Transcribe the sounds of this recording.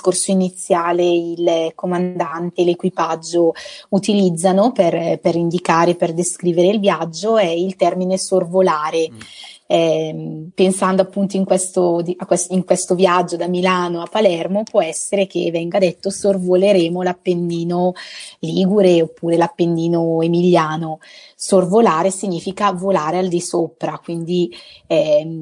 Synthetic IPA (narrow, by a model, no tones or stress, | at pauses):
skorsoinit̪sːjaːleilkomand̪ant̪elekwipad͡ʒːout̪ilid̪zːanoperpeɾind̪ikaːɾeperd̪eskɾiːveɾeilvjad͡ʒːoɛilt̪ɛrminesorvolaːɾe | ɛ | pensand̪oapːunt̪oiŋkwest̪od̪iakːwesiŋkwest̪ovjad͡ʒːod̪amilaːnoapːalɛrmopwɔɛsːeɾek̟ḛvɛŋɡad̪ɛt̪ːosorvoleɾeːmolapːenːiːnoliːɡuɾeopːuːɾelapːenːiːnoemiljaːno | sorvolaːɾesiɲːiːfikavolaːɾeald̪isopɾakwind̪iɛ